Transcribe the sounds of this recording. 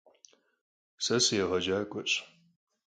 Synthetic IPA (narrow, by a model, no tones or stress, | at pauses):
sɐsjɛʁɐd͡ʒaːkʷʼɔɕʼ